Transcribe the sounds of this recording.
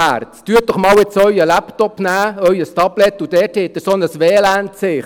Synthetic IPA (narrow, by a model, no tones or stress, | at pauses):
æ̰ɾtt̪yət̚d̥ɔχmɑːwɪt͡sœʏəlæptɔpnæːœɥəst̪ɑblɛt̪ud̥̪ɛːthɪt̪ːəsɔnəsʋɛːlæntsɪχ